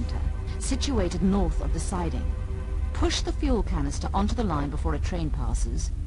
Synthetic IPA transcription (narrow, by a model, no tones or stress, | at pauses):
ntʰə̰˞ | sɪt͡ʃʉeɪɾɨdⁿnɔɹθʌ̰vðɨsaɪɾɪ̰̃ŋ | pʰʊʃðəfjulˠkʰænɨstə˞ʔə̃ntʉðəlãɪ̃nbəfɔɹɨtʰɹ̥ẽɪ̃npʰæ̰sɨz̥